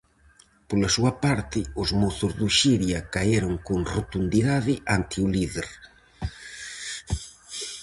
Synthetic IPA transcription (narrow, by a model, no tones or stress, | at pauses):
polasuɐpaɾt̪ɪʊzmoθʊzðuʃiɾjɐkajeɾʊŋkoŋrot̪und̪iðaðɪʔant̪iuliðeɾ